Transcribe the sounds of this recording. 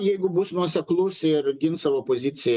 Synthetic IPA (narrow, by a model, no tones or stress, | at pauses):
jɛɪɡʊbʊsnuɔsʲɛklˠʊsɪɾɡʲɪnsɑːʋoːpozʲɪt̪sʲɪjɛ